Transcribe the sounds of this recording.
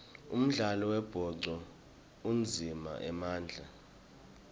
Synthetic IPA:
ṵm̩ɮalɔwɛb̥ʱɔǀɔ | und͡zʱima̰ʔɛmaːnd͡ɮʱa

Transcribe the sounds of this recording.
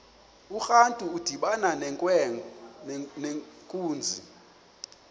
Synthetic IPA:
uxantʼuud̥ʱiɓananʼ | nekʼuːnd͡zʱḭ

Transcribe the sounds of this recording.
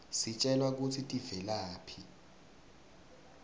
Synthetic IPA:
sit͡ʃʼɛlwak̬utʰitʼivɛlaːpʰi

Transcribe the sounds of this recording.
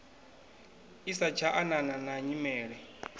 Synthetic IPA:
isat͡ʃʰaʔanananaɲimɛːɺɛ

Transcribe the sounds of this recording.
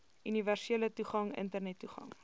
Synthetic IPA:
ʔyniværseələtuχɐŋə̰ntərnɛtːuχɐ̰ŋ

